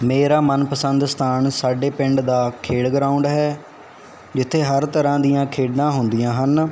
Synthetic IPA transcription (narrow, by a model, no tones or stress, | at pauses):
meːɾaːmənpəsənd̪st̪ʰaːnsaːɖeːpɪ̃ɳɖd̪aːkʰeːɽɡɾaːʊɳɖɦɛː | d͡ʒɪt̪ʰːeːɦəɾt̪əɾãːd̪ijãːkʰeːɖnãːɦʊnd̪ɪjãːɦən